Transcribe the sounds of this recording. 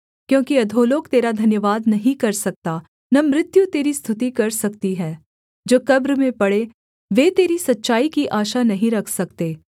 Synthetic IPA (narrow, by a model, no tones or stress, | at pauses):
kjõːkiɐd̪ʱoːloːkt̪eːɾad̪ʱɐnjəʋaːd̪nɐɦĩkɐɾsɐk̚t̪a | nɐmɾɪt̪jut̪eːɾist̪ʰʊt̪ikɐɾsɐkt̪iɦɛː | d͡ʒoːkɐbɾəmẽpɐɽe | ʋeːt̪eːɾisɐtːʃaːikiʔaːʃanɐɦĩɾɐkʰsɐkt̪eː